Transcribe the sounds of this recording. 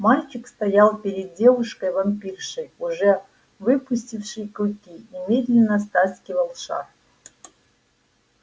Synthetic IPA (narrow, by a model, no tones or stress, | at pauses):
malʲt͡ɕɪkst̪ɐjalˠpʲɪɾʲɪd̪̚dʲe̞vʊʂkəjvɐmʲpʲirʂɨjuʐɛ | vɨpʊsʲtʲifʂɨjkɾʊkʲinʲɪmʲed̪lʲɪnːəst̪asʲkʲɪvəlˠʂa̰r